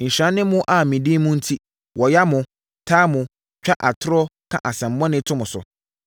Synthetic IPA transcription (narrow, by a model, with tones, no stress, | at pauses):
ɲ̩˨ɕã˦nːɪ̃˦mʊ̃˦ʔa˨mĩ˨dĩ˦mʊ̃˦n̩˦tʰi˦ | wɔ˨ja˦mʊ̃˨ | tʰaː˦mʊ̃˨ | t͡ʃᶣa˦ʔa˨tʰʊ˦ɾɔ˦kʰã̰˦˨ʔa˨sɛ̃˨m̩˨bɔ̃˦nɪ̃˦tʰʊ̃˦mʊ̃˨sʊ̰˨